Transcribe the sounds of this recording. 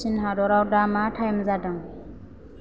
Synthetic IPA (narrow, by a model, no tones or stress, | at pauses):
inɦadɔɾawdamatʰajmzadaŋ